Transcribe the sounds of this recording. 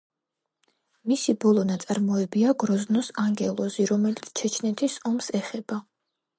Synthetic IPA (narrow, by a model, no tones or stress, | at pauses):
misibɔlˠɔnat̪sʼaɾmɔɛbiaɡɾɔznɔsaŋɡɛlˠɔziɾɔmɛlit̪sʰt͡ʃʰɛt͡ʃʰnɛt̪ʰisɔmsɛχɛb̥a